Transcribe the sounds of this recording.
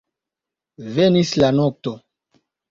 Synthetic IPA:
vɛnislanɔk̚t̪o

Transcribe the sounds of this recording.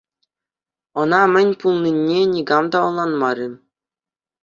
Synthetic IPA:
ɤ̆nɑmʲɘ̆nʲpulˠnʲinʲːenʲiɡɑmd̪ɑɤ̆lˠːɑnmɑɾʲi

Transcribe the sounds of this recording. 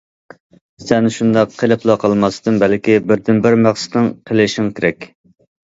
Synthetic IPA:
sɛnʃund̪ɑqʰːelɪpʰlˠɑqʰɑlˠmɑst̪ɨmbælkʲibɪɾd̪ɪnbɪɾmæχsɪ̥t̪nɨŋqʰelɪʃiŋkʲʰeɾɛkʲ

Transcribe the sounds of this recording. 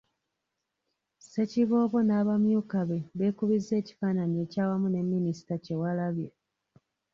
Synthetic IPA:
se̞ciβo̞ːβo̞naːβamjuːkaβe̞βe̞ːkuβizːe̞ːci̥fananie̞caːwamune̞mːinisi̥tace̞walaβjo

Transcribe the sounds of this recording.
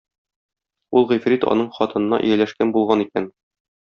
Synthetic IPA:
ulˠʁĭjfrit̪ɒ̰nɤɴχɒt̪ɤ̆nɤ̆nɑ̰ʔɵ̰̆jælæʃkænbulˠʁɑnikæn

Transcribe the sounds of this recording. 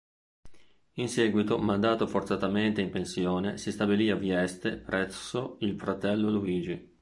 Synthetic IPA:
insɛːɡwit̪omand̪aːt̪ofort̪sat̪ament̪eimpensjoːnesist̪abiliːaviɛst̪epɾʔɛsːoilfɾat̪ɛlːoluiːd͡ʒi

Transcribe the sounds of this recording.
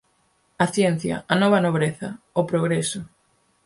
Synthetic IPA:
ɐθjɛn̟θjɐ̰ɐnɔβ̞ɐnoβ̞ɾeθɐ | opɾoɣɾesʊ

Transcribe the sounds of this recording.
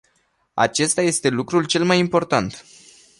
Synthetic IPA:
a̰t͡ʃe̞st̪aje̞st̪e̞lukɾult͡ʃe̞lmajimpo̞rt̪ant̪

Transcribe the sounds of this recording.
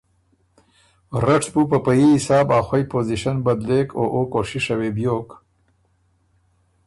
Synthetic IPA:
ɾaʈbupəpajiisɑːbaːxwajpoziʃanbɐd̪leːkoʔokoʃiʂawebjoːk

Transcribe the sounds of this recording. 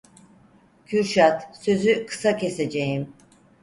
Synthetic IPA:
cʰyɾʃat̪sø̞zykʰɯ̥sacʰe̞sed͡ʒejim

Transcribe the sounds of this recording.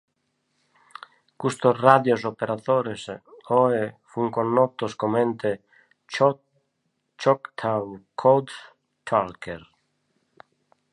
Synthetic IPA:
kust̪osraðjosopeɾaðoɾesoefuŋkonːot̪oskomẽnt̪e | t͡ʃokt̪ʰawkʰod̪ | t͡ʃʰalkeɾ

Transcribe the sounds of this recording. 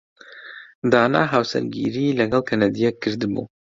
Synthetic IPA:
d̪aːna̰ːɦawsɛ̰ɾɡḭːɾiːlɛɡɛlkʰɛnɛd̪ijɛkʰːɨɾd̪ɨbṵː

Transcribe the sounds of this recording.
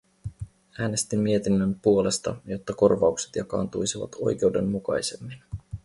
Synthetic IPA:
æːne̞st̪imːie̞t̪inːømpuo̞le̞st̪ɑ̰jo̞t̪ːɑko̞rʋɑukset̪jɑkɑ̰ːnt̪ujsiʋɑ̰t̪o̞̰jk̟e̞wde̞mːukɑ̰jse̞mːin

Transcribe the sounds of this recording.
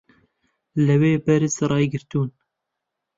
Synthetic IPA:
lɨweːbɛɾɪsɾɑːjɡɨɾt̪uːn

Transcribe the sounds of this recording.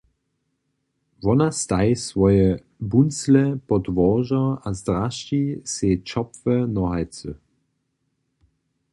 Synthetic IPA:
vɔnast̪ajsvɔjɛ | bunslɛpɔdvɔʒɐazd̪ʁaʃt͡ʃiset͡ʃɔpvənɔɦajt͡sə

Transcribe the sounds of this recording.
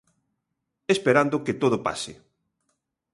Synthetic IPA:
espeɾand̪oket̪oðopa̰sɪ̰

